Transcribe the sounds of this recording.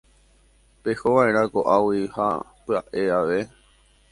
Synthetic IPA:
pehoʋaeɾ̃ãkoʔawiha̰pɨaʔe̞aʋe̞

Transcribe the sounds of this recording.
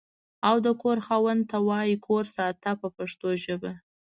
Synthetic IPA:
awd̪əkoɾxɑwənt̪awɑjikʰoɾsɑt̪apəpaʂt̪oʒəba

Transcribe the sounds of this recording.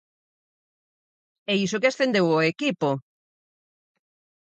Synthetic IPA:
ɛisokeasθend̪ewoekipo

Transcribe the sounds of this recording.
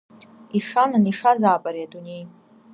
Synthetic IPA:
iʂananiʂazaːpʼaɾiadʼunej

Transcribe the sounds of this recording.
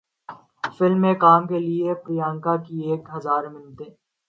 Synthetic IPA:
fɪlmːẽkaːmkeliepɾɪjãːŋkakieːkɦɐzaːɾmɪnt̪eː

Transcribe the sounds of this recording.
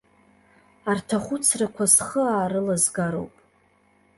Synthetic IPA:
artʰaχʷʊt͡sʰrakʷʰasχəaːɾɨlazɡaɾo̞̰wpʼ

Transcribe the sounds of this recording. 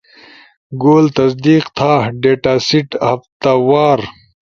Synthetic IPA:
ɡoːlt̪ɐs̬d̪iːqt̪ʰaːɖeːʈaːsiʈhɐft̪awaːɾ

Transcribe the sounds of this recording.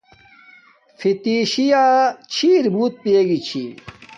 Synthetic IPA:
fit̪iɕijat͡ɕʰiːɾbuːt̪̚pijeɡit͡ɕʰḭ

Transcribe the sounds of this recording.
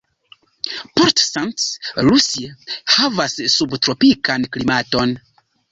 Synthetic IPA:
poɾtsantsɾusiahavasːubtɾo̞pikanklimato̞n

